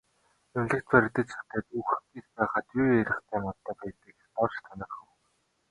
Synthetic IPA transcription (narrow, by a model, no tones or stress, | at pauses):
ʊnɮɘ̆kt̪pæɾ̆ʲkt̪ə̆t͡ɕt͡sʊ̥t̪æːt̪uxkiːt͡spæːχăːt̪ieɾʲɪ̆χt̪ʰæːmɔt̪ːə̆ːpæjt̪ə̆kt̪ɔrt͡ɕt̪ʰɔnɪ̆rχə̆w